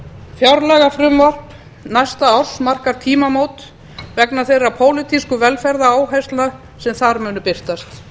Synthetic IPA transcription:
fjawɾlɛɣafɾʏmvɔr̥p | najst̪aawr̥smar̥kaɾ̥t̪ʰiːmamoːwt̪ | vɛknaθejɾapʰoːwlɪt̪ʰiskʏvɛlfɛɾðaaːwɦajst̪lna | sɛmθaɾmʏːnʏpɪr̥t̪ast̪

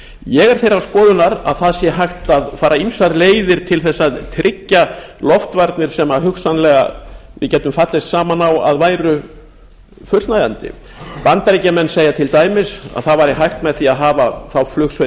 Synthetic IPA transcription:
jɛɣɛɾ̥θejɾawskɔːðʏnaɾa̰ðθaðsjɛɦajxt̪aðfaːɾaimsaɾleːjðɪɾ̥t̪ʰɪlθɛsːat̪ʰɾɪcːalɔft̪vaɾt̪nɪɾ̥sɛmaɦʏksanlɛɣa̰vɪ̰cɛːt̪ʏmfat̪lɪst̪saːmanawa̰ðvaːjɾʏ | fʏt̪l̥najðant̪ɪ̰ | pant̪aɾicamɛnːseːjat̪ʰɪlt̪aːjmɪsa̰ðθaðvaɾɪɦajxt̪mɛðθiaðɦaːvaθawflʏxs

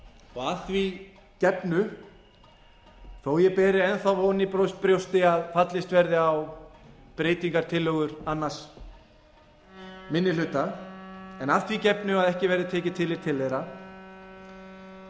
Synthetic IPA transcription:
ɔɣaθvi | cɛpnʏ | θoːwjɛpɛːɾɪɛnθawvoːnɪpɾowst̪pɾjowst̪ɪaðfat̪lɪst̪vɛɾðɪaw | pɾeːjt̪iŋkaɾ̥t̪ʰɪlːœːɣʏɾanːas | mɪnːɪlʏt̪a | ɛnaðθvicɛpnʏaðɛhcɪvɛːɾðɪt̪ʰɛːcɪt̪ʰɪlɪɾ̥t̪ʰɪlθejɾa

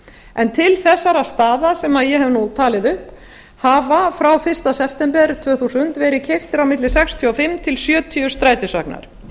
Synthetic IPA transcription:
ɛnt̪ʰɪlθɛsːaɾast̪aːðasɛmaðjɛɦɛvnut̪ʰaːlɪðʏhp | havafɾawfɪr̥st̪asɛft̪ɛmpɛɾ̥t̪ʰvœːθusʏnt̪vɛːɾɪðcʰejft̪ɪɾawmɪt̪lɪsɛkst̪ʰjɔfɪmːt̪ʰɪlsjœːt̪ʰyʏst̪ɾaːjt̪ɪsœ̰kna̰ɾ̥

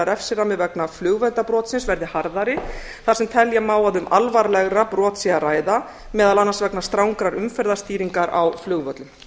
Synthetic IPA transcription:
aɾɛfsɪɾamɪðvɛknaflʏɣvœt̪apɾɔːt̪sɪnsvɛɾðɪhaɾðaɾɪ | θḁsɛmt̪ʰɛljamaːwaðʏmʔalvaɾlɛɣɾapɾɔːt̪siaraːjða | mɛːðalanːansvɛknast̪ɾawŋkɾaɾʏmfɛɾðast̪iːɾiŋkaɾa̰wflʏɣvœt̪lʏm

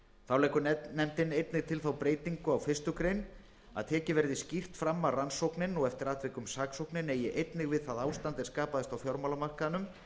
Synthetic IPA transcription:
θawlɛːkʏnnɛmt̪ɪnejt̪nɪɣt̪ʰɪlθawpɾeːjt̪iŋkʏawfɪst̪ʏkɾejn | a̰ðt̪ʰɛːcɪvɛɾðɪscir̥t̪fɾamːaransowknɪnɔɣɛft̪ɪɾaːt̪vɪkʏmsaːksowknɪnɛjɪʔejt̪nɪɣvɪðθaðaːwst̪ant̪ɪ̥skaːpaðɛst̪awfjɔɾmawlamar̥kaðnʏm

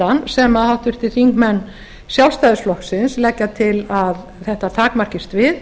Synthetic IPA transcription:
ansɛmaðhawht̪ʏɾ̥t̪ʰɪlθiŋkmɛnː | sjawlst̪aːðʏsflɔhksɪnslɛcːat̪ʰɪlað | θɛht̪at̪ʰaːkmar̥cɪst̪vɪð

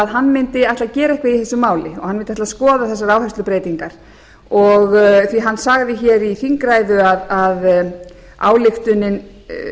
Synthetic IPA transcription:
aðɦanːmɪnt̪ɪajht̪lacɛːɾaɛhkvaiθɛsʏmaːwlɪɔ̰ɣhanmɪnt̪ɪaht̪askɔːðaθɛsːaɾaːwhast̪lʏpɾeːjt̪iŋkaɾ̥ | ɔɣθviɦanːsaɣðɪçɛɾiθiŋkɾajðʏaðað | a̰ːwlɪft̪ʏnːɪn

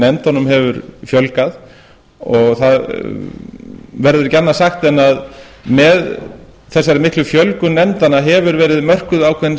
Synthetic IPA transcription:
nɛmt̪hɔnʏmɦɛvʏɾfjœlkað | ɔɣθað | vɛɾðʏɾcɛnːasaxt̪ɛnːað | mɛðθɛsːajɾɪmɪht̪lʏfjœlkʏnɛmt̪anaɦɛvʏɾvɛːɾɪðmœr̥kʏðawkʰvɛn

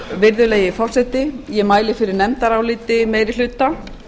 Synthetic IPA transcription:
vɪɾðʏleːjɪfɔr̥sɛt̪ɪjɛmaːjlɪfɪɾɪɾnɛmt̪aɾawlɪːt̪ɪmeːjɾɪl̥ʏt̪a

